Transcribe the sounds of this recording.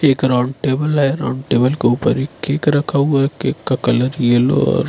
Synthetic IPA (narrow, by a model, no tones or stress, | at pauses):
eːkɾãːɳɖʈeːbəlɦɛɾa̰ːɳɖʈeːbəlkeuːpəɾɪkʰːeːkɾɐkʰaɦuakeːkːakɐləɾijəlɔ̰ːɾ